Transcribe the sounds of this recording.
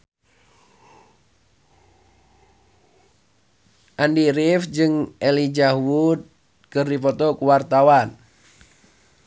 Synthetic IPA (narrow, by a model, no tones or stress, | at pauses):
ʔandiɾifd͡ʒɨŋɛlid͡ʒahwud̪̚ | kɨrdipɔt̪ɔkuwart̪awan